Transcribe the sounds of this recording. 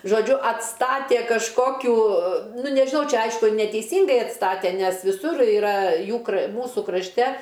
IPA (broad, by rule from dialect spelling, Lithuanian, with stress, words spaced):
ʒoːˈd͡ʒʲʊ ɐtˈstɑːtʲeː kɐʃˈkoːkʲuː ˈnʊ nʲɛʒʲɪˈnɐʊ ˈt͡ʃʲɛ ˈɐɪʃkʊ nʲɛtʲɛɪˈsʲiːŋɡɐɪ ɐtˈstɑːtʲɛ nʲɛs ʋʲɪˈsʊr ɪˈrɐ ˈjuː kr ˈmuːsʊ krɐʃʲˈtʲɛ